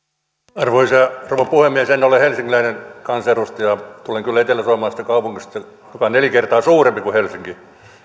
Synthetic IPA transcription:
ɑrʋoisɑruʋepuhemmiesenːolehelsiŋːilæinenkɑnserust̪jɑt̪uleŋkylːæet̪elːˑæsoɑmɑːsi̥t̪ːækɑupuŋkist̪ɑ | jokɑnelikert̪ɑːsuːrempikuhelsiŋki

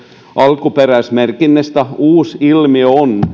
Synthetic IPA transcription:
ʔɑlkuperæˑismerkinːest̪æuːsilmioon

